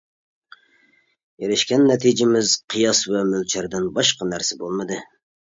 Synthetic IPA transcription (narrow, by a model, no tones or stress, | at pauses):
jeɾɪʃkʲɛnːɛt̪ʰid͡ʒɪmɪzqʰɨjɑsvɛmylt͡ʃʰæɾd̪ɪnbɑʃqɑnæɾsɪbolˠmɨd̪ɨ